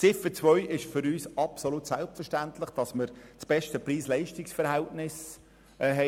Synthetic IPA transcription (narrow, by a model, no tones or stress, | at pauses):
t͡sɪfət͡svœʏʔɪʃfʏɾyːsɑpsolutsælpfərʃtæntlɪχd̥ɑsməɾt͡sb̥ɛʃtəpriːslɛɪʃtɪksfəɾhæltnɪs | ɦɛ